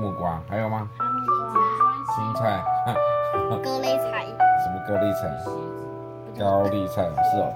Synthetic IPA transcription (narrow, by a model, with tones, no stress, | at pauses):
mu˥˩kwa˦ŋha˧˥ɪjo˨˩ʊma˧˩˥si˧˥m˧t͡sʰa˥˩ɪ | ko˥li˥˧t͡sʰa˥˧˩ɪʂə˨˩˦mə˧ko˥˧li˥˧t͡sʰa̰˨˥˩ | ka˦ʊli˥˧t͡sʰa˥˩ɪ˨˩ʂ̩˥˩o̰˨˩